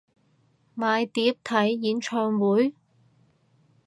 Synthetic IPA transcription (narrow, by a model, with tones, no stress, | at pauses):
maː˨jt̪iː˨˥p̚t̪ʰɐ˨˥jːiː˨˥nt͡ʃʰœː˧ŋwuː˨˥j